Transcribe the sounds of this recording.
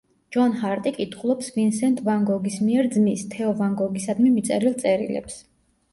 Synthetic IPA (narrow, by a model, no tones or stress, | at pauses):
d͡ʒɔnhaɾt̪ʼikʼit̪ʰχulˠɔpsvinsɛnt̪ʼvaŋɡɔɡismiɛɾd̪zmist̪ʰɛɔvaŋɡɔɡisad̪mimit̪sʼɛɾilˠt̪sʼɛɾḭlɛ̰ps